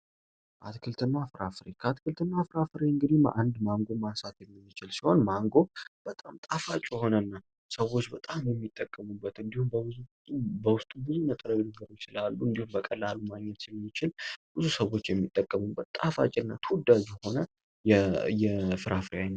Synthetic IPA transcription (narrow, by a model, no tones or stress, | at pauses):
ʔat̪kʰɨlt̪ʰɨnːafɾafɨɾekʰəat̪kʰɨlt̪ʰɨnːafɾafɨɾeɨŋɡɨd̪ihm̰ʔand̪maŋɡo̞masat̪jɛmːɨːɨt͡ʃɪlsiho̞nmaŋɡo̞b̥ət̪ʼamt̪ʼafat͡ʃʼjɛho̞nənːa | səwo̞t͡ʃːbət̪ʼamjɛmːit̪ʼːəkʼːəmubːət̪ɨnd̪ihumb | bəwʊst̪ʼubɨzunət̪ʼəɾəwinɨɡəɾjt͡ʃɪlalːuɨnd̪ihumbəkʼəlːalːumaɡɲɛt̪jɛmːit͡ʃɪlb̥ɨzusəwːo̞t͡ʃːjɛmːit̪ʼːəkʼːəmubːət̪t̪ʼafa̰t͡ʃʼɪnːa̰t̪ʰɨwd̪ad͡ʒjɛho̞nə | jɛjɛfɨɾafɾjan